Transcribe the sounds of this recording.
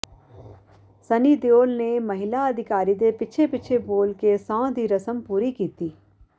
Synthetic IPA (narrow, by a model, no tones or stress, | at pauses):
sɐnid̪joːlnemɐɦɪlaɐd̪ʱɪkaːɾid̪epɪt͡ʃʰepɪt͡ʃʰeboːlkesãːd̪iɾɐsəmpuːɾikiːt̪iː